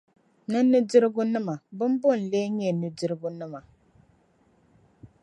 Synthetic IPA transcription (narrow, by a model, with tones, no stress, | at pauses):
nɨ˦nɨ˦di˦ɾɡu˦nɨ˦ma˨bɨ˦m˦bo˦˨n̩˨le˦ɲe˦˨nɨ˨dɨ˦ɾɡu˦nɨ˦ma˨